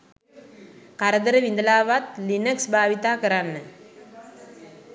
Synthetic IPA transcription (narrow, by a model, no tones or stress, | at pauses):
kaɾəd̪əɾəʋind̪əlaːʋat̪linəksbʱaːʋit̪aːkəɾanːə